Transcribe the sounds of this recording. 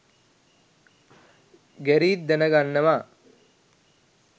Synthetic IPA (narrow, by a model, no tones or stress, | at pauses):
ɡɛɾiːt̪̚d̪ɛnɐɡanːɐʋa